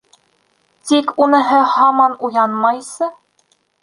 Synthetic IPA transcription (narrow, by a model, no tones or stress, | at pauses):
t̪ikunɤ̆ɦɤhɑmɑnujɑnmɑjsɤ